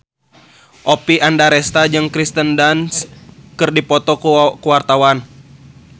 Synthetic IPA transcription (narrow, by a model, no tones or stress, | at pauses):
ʔɔpiandaɾɛst̪ad͡ʒɨŋkɾist̪əndanskɨrdipɔt̪ɔkkuwart̪awan